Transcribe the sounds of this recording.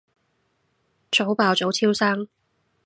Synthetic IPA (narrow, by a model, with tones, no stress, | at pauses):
t͡ʃʰo˨˥wpaː˨wt͡so˨˥wt͡sʰiː˥wsaː˥ŋ